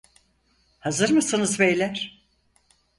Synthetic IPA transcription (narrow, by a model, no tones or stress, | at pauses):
hazɯɾmɯsɯnɯzbejlʲæɾ̥